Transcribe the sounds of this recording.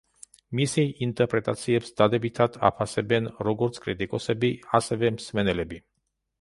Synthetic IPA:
misiejint̪eɾpɾet̪at̪siebsʲd̪ad̪ebit̪ʰat̪ʰa̰pʰasebenɾoɡuɾskɾit̪ikosebiasevemsmɛnɛlebi

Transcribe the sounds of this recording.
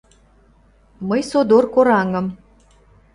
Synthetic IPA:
məjsod̪orkoɾɑŋɤ̆m

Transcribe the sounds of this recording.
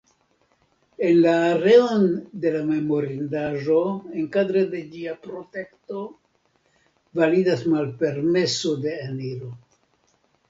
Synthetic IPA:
e̞nlaːɾe̞onde̞lame̞mo̞ɾindaʒo̞e̞ŋkadɾede̞d͡ʒiapɾo̞te̞kto̞ | validasmalpe̞ɾme̞sode̞eniɾo̞

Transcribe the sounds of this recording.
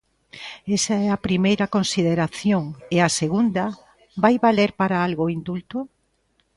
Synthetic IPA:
esɐɛɐpɾimejɾɐkonsiðeɾaθjoŋeɐseɣund̪ɐ | bajβaleɾpaɾaalɣoind̪ult̪ʊ

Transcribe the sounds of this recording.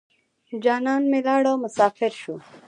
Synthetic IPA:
d͡ʒɑːnɑːnmelɑːɽowmʊsɑːfɪɾʃu

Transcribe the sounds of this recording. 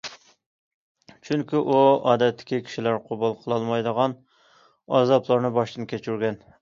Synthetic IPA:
t͡ʃʰyŋkʲiʔuɑ̰ːd̪ɛt̪ʰːɪ̥kʲikʲʰi̥ʃilæɾqʰʊbulˠqʰəlˠɑlˠmɑjd̪əʁɑn | ɑ̰zɑplˠɑɾnɨbɑʃt̪ɨnkʲʰet͡ʃʰyɾɡʲɛn

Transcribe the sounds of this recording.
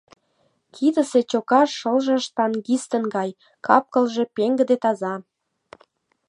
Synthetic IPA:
kʰid̪ə̆set͡ɕokɑʃəlʒɑʃt̪ɑnɡist̪ə̆nɡɑj | kʰɑp̚kə̆lʒe̽peŋɡə̆d̪et̪ɑzɑ

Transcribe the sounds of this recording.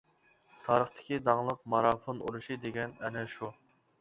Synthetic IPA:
t̪ʰɑːɾəχt̪ʰɪ̥kʲid̪ɑŋlˠəq̚mɑɾɑfonṵɾuʃid̪eɡʲɛnɛnɛʃu

